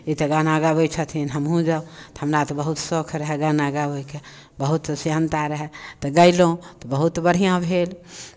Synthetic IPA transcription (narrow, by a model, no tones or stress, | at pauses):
it̪ɔɡanaɡabojt͡ʃʰət̪ʰinɦəmɦũd͡ʒat̪ɔɦəmɾat̪ɔbəɦut̪sokʰɾəɦɛɡanaɡaboike | bəɦut̪ːsiɦənt̪aɾəɦɛt̪ɔɡəɪlõt̪ɔbəɦut̪bəɽ̤ijãbʱel